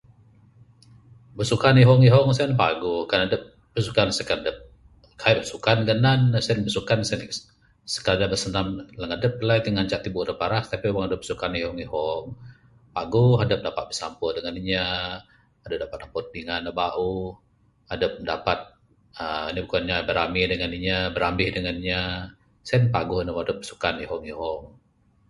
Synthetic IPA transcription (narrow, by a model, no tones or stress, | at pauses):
bəsukaniɦɔŋiɦɔŋsɛnpaɡukanadəp̚ | bəsukansəkadəp̚ | kʰaip̚bəsukanɡənanːasənbəsukansɛn | sə̥kadabəsənamləŋadəp̚lajt̪iŋaɲt͡ʃaʔt̪ibuɾəpaɾast̪apiwaŋadəp̚bə̥sukanihɔŋiɦɔŋ | paɡʊɦadəp̚dapat̪̚bəsampədəŋaniɲa | adəp̚dapat̪̚lampot̪̚diŋanabaʔu | adəp̚dapat̪̚ | ənibəkuanɲabəɾamɪhdəŋaniɲabəɾamɪhdəŋaniɲa | sɛnpaɡʊhnəwaŋadəp̚ːə̥su̥kaniɦɔŋiɦɔŋ